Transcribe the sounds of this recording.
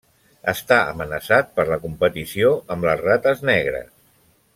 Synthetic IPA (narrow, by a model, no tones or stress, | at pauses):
əst̪aə̰mənəsat̪̚pəɾləkumpət̪isioʔəmbləzrat̪əznɛɣɾə̰s